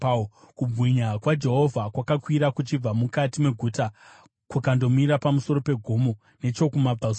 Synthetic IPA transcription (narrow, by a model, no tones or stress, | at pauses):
kubɣiɲakwad͡ʒe̞ɦo̞vʱakwakakwiɾakut͡ʃib͡vamukatime̞ɡʱuːta | kwakando̞miɾapamuso̞ɾo̞pe̞ɡʱomo̞ | ne̞t͡ʃo̞kumabʱaus